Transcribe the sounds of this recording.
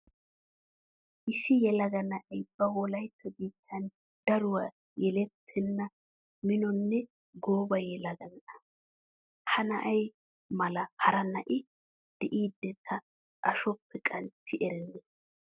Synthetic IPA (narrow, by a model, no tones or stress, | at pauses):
ʔɪsɪjɛlɐɡɐnɐʔɐjb̥ɐwɔlɐjpʰːɛbiːt̪ʰːɐn | d̪̥ɐɾʊwa | jɛlɛt̪ʰːɛnːɐ | mɪnɔnːɛ | ɡoːbɐjɛlɐɡɐnʔɐ | hɐnɐʔɐj | mɐlɐhɐɾɐnɐʔɪ | d̪̥ɛʔiːd̪ːɛt̪ʰːɐ | ʔɐʃɔpʰːɛkʼɐnt͡sːɪʔɛɾɛnːɛ